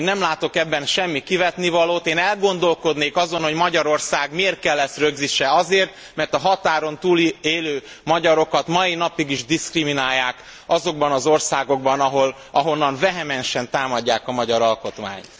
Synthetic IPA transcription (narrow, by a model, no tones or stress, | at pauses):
nɛmlaːt̪o̞kɛbːɛnʃɛmːikivɛt̪nivɒloːt̪eːnɛlɡo̞nd̪o̞lko̞d̪neːkɒzo̞nho̞ɟmɒɟɒɾo̞rsaːɡmeːrt̪̚kɛlːɛsrøɡziʃɛɒzeːrt̪ | mɛrt̪ɒɦɒt̪aːɾo̞nt̪uːleːløː | mɒɟɒɾo̞kɒt̪mɒjinɒpiɡiʒd̪iskriminaːjːaːk | ɒzo̞ɡ̚bɒnɒzo̞rsaːɡo̞ɡ̚bɒnɒɦol | ɒɦonːɒnvɛɦɛmɛnʃɛnt̪aːmɒɟːaːkɒmɒɟɒɾɒlko̞t̪ma̰ːɲt̪